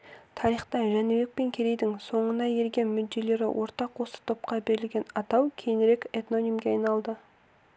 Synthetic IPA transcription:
t̪ʰɑɾijχt̪ɑʒænɪwe̞k̚pe̞ŋkʲʰeɾe̞jd̪ɪŋso̞ɴənɑje̞ɾɡʲe̞nmʏd̪ːe̞le̞ɾɪ̰wʔo̞ɾt̪ɑqwosə̥t̪ʰo̞p̚qɑbe̞ɾɪlɡʲe̞nɑt̪ɑwkʲʰe̞jnɾe̞kʲet̪no̞nʲimɡʲeɑjnɑlˠd̪ə

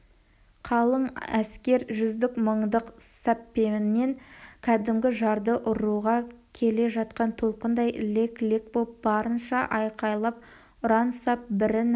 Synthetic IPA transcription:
qʰɑlˠəɴæskʲe̞ɾʒʏzd̪ɪkməɴd̪əqsɑpːe̞mɪnmeŋkʲʰæd̪ɪmɡʲɪʒɑɾd̪əʔʊɾuʁɑkʲʰe̞le̞ʒɑt̪̚qɑnt̪ʰo̞lˠqənd̪ɑjleklʲekbolˠp̚bɑɾənʃɑʔɑjqɑjlˠɑp̚ | ʊɾɑnsɑp̚bɪɾɪn

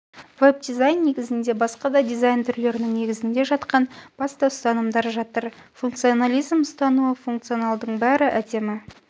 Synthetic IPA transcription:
veb̚d̪izajnːe̞ɡʲɪzɪnd̪e̞bɑsqɑd̪ɑd̪ijzajnt̪ʰʏɾle̞ɾɪnɪŋne̞ɡʲɪzɪnd̪e̞ʒɑt̪qɑnb̥ɑst̪ɑst̪ɑnəmd̪ɑɾʒɑt̪əɾ | funkt̪sionalʲijzməst̪ɑnuəfuŋkt̪sio̞nɑlˠd̪əɴbæɾɪʔæd̪e̞mɪ

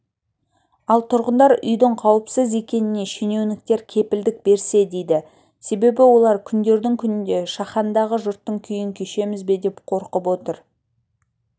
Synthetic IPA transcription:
ɑlˠt̪ʰʊɾʁənd̪ɑɾʏ̰jd̪əɴqʰɑwəpsəze̞kʲe̞nɪne̞ʃene̞wnɪk̚t̪e̞ɾkʲʰe̞pɪld̪ɪk̚be̞ɾse̞d̪e̞jd̪ɪ | se̞be̞bɪwo̞lˠɑɾkʲʰʏnd̪e̞ɾd̪ɪŋkʲʰʏnɪnd̪e̞ʃɑχɑnd̪ɑʁəʒʊɾt̪ːəɴkʲʰʏjɪŋkʲʰeʃe̞mɪzbe̞d̪e̞pqʰo̞ɾqəpwo̞t̪əɾ

